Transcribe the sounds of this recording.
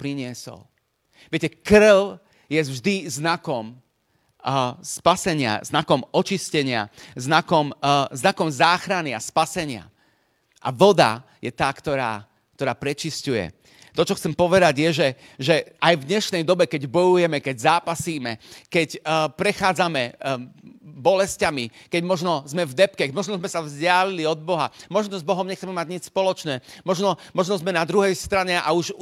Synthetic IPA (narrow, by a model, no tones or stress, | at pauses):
pɾiɲɪɛsɔ̰l | ʋɪɛcɛkr̩l | jɛvʒd̪iznakɔm | spasɛɲɪa̰znakɔmɔt͡ʃiscɛɲɪa̰znakɔmznakɔmzaːxɾaniaspasɛɲɪa̰ | ʔa̰ʋɔd̪a̰ | jɛt̪aːkt̪ɔɾa̰ː | k̚t̪ɔɾaːpɾɛt͡ʃiscujɛ̰ | t̪ɔt͡ʃɔxt͡sɛmpɔʋɛd̪aɟjɛʒɛ | ʒɛʔajvd̪ɲɛʃnɛjd̪ɔbɛkɛɟbɔjujɛmɛkɛɟzaːpasiːmɛkɛcpɾɛxaːd͡zamɛ | bɔlɛscamikɛɟmɔʒnɔzmɛvd̪ɛpkɛmɔʒnɔzmɛsavzɟɪaliliɔd̪̚bɔɦamɔʒnɔzbɔɦɔmɲɛxt͡sɛmɛmaɟɲit͡ʃspɔlɔt͡ʃnɛːmɔʒnɔmɔʒnɔzmɛnad̪ɾuɦɛjst̪ɾaɲɛʔa̰uʒ